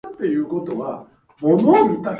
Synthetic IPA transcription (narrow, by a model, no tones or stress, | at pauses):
t̪ːe̞jɯ̟ːko̞t̪o̞βa | momomʲit̪a